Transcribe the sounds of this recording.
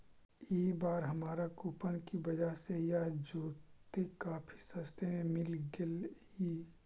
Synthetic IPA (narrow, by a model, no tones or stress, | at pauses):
eːbaːɾɦɐmaːɾakuːpənkibɐd͡ʒaɦsejad͡ʒoːt̪ekaːpʰi̥sɐst̪ʰemẽmɪlɡɪlhiː